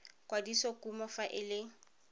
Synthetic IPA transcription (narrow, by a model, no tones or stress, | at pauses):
kwadisokumɔfaʔɪlɪ